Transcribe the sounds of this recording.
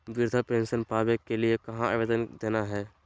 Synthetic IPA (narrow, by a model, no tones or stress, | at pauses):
ʋɪɾd̪ʱəpẽːnsənpaːbekːeliekɐɦãaʋeːd̪ənd̪eːnaɦɛː